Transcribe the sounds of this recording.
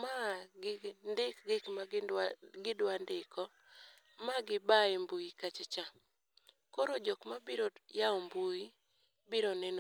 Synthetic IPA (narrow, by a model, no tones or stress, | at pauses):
maɡɪndɪkɡɪkma | ɡɪdwandɪkɔ | maɡɪbaembuikat͡ʃɪt͡ʃa | koɾod͡ʒokmabiɾojaɔmbuji | biɾonɛn